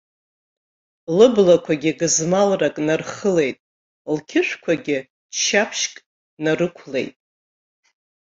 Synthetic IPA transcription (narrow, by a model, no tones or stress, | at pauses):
lɨblakʷʰaɡʲɪɡɨzmalrakʼnarχəle̞jtʼ | lkʲʰɪʂʷᶣkʷʰaɡʲɪ | ʃapʰʃkʼ | narɨkʷʰle̞̰jtʼ